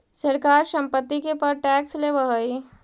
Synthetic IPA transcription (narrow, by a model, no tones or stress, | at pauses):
səɾkaːɾʃɐ̃mpət̪ːikepəɾʈɛːksleʋəɦəi